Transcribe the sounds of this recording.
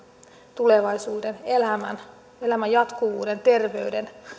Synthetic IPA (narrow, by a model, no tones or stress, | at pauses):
t̪uleʋɑisuːdenelæmæ̰n | elæmæjjɑt̪kuʋuːdent̪e̞rʋeyɥden